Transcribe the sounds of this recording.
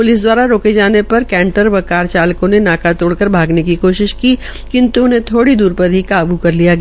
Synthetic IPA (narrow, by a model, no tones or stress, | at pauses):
pʊlɪs̬d̪waːɾaɾoːked͡ʒaːnepɐɾkɛ̃ːɳʈəɾʋɐkaːɾt͡ʃaːlkõnenaːkat̪oːɽkɐɾbʱaːɡnekikoːʃɪʃki | kɪ̃nt̪uʊnɦẽt̪ʰoːɽid̪uːɾpɐɾʱikaːɐbukɐɾlijaɡ